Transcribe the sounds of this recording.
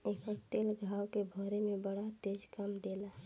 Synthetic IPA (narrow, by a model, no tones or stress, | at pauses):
eːkəkt̪eːlɡʱaːwkebʱɔːɾemẽbəɽat̪eːd͡ʒkəmd̪eːlaɦ